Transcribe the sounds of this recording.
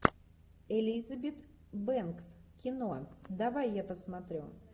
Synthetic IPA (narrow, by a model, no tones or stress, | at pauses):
ɛlʲizɐbʲɛt̪ | bɛnkskʲɪnod̪avajːapəsmat̪ɾʲu